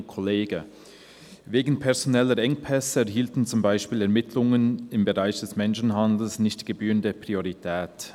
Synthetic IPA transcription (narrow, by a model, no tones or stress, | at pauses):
kʰoleːɡə | veːɡn̩pʰɛɐzonɛləɾʔɛŋpʰɛsəɛɐɦiːltn̩t͡sʊmbaɪʃpiːlɛɐmɪtʰlʊŋənɪmbəʁaɪçd̥ɛsmɛnʃn̩ɦandl̩snɪçtɡ̥əbyːʁəndəpʁ̥ioʁitʰɛːt